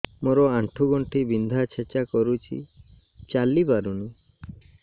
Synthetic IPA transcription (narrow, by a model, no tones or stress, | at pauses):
moɾɔaʈʰuɡɔɳʈibind̪ʱat͡ʃʰet͡ʃakɔɾut͡ʃʰḭ | t͡ʃalibaɾunu